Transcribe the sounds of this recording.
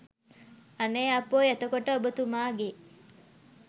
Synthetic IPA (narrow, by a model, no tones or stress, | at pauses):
aneːɐpoːɛt̪əkoʈəobət̪umaːɡe